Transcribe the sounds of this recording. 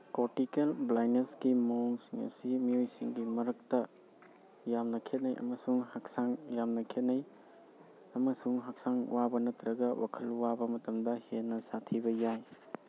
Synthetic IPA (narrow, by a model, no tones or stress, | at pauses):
koɾtikelblajneskimoŋsiŋɐ̰simiojsiŋɡimɐɾɐk̚tɐ | jamnɐkʰet̚nɐjʔɐ̰mɐsuŋhaksaŋjamnɐkʰet̚nɐj | ɐmɐsuŋɦak̚saŋ̰wabɐnɐtɾɐɡɐwʔakʰɐlwabɐmɐtɐmdɐhenːɐsatʰibɐjaj